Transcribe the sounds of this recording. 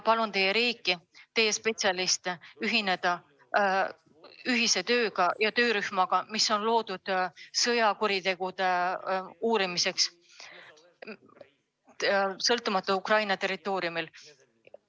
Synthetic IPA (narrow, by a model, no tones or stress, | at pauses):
pɑlunt̪e̞jːe̞ɾiːkːˑit̪e̞jːe̞spe̞t̪sʲɑlist̪eyɦine̞d̪̥ɑ | yɦise̞t̪ø̞ːɡ̥ɑjɑt̪øːɾyhmɑɡ̥ɑmiso̞nlo̞ːd̪̥ud̪̥sɤjɑkuɾit̪e̞ɡ̥ud̪̥e̞ | uːɾimise̞ks | sɤlt̪umɑt̪ːˑuukrɑjnɑt̪e̞rit̪ːˑo̞ːɾiumil